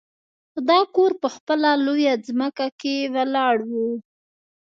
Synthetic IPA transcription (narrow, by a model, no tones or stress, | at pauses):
d̪ɑkoɾpəxpəlalojazməkakewəlɑɽwu